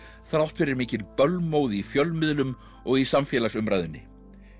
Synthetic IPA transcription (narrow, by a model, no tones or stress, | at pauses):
θɾawl̥t̪fɪɾɪɾmiːcɪnpœlmoːwðɪifjœlmɪðlʏm | ɔɣisamfjɛːlasʏmɾajðʏnːɪ